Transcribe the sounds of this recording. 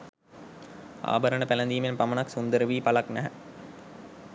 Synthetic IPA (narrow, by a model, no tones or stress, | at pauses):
a̰ːbəɾənəpælənd̪iːmenpamənɐksund̪əɾəʋiːpalaknæɦə̰